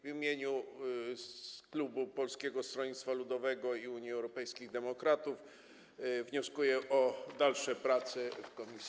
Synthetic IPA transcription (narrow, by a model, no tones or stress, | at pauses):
vʲimʲjeɲu | klubupɔlskʲɛɡɔst̪ɾɔɲit̪t̪falud̪ɔvɛɡɔiuɲjiɛwɾɔpɛjskʲiɣd̪ɛmɔkɾat̪uf | vɲɔskujɛʔɔd̪alʂɛpɾat̪sɘfkɔmʲisʲ